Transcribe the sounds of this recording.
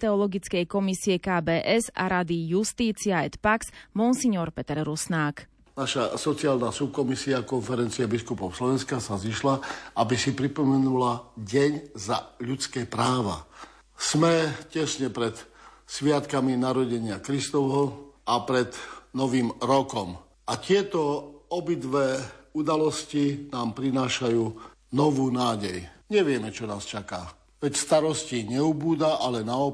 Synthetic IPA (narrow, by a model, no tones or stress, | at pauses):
t̪ɛɔlɔɡit͡skɛjkɔmisiɛkaːbɛːʔɛza̰ɾad̪ijust̪iːt͡siaɛt̪paksmunsiɲɔɾpɛt̪ɛɾɾusnaːk | naʃasɔt͡siaːlnasup̚kɔmisiakɔnfɛɾɛnt͡siɛbiskupɔʊslɔʋɛnskasaziʃlaabisipɾipɔmɛnulaɟɛɲzaʎut͡skɛːpɾaːʋa̰ | smɛcɛsɲɛpɾɛt̪sʋɪat̪kaminaɾɔɟɛɲɪakɾist̪ɔʋɦɔapɾɛd̪nɔʋiːmɾɔkɔm | at̪ɪɛt̪ɔɔbid̪ʋɛːud̪alɔscinaːmpɾinaːʃajuː | nɔʋuːnaːɟɛjɲɛʋɪɛmɛt͡ʃɔnaːst͡ʃaka̰ | ʋɛcst̪aɾɔsciɲɛubuːd̪aʔalɛnaɔ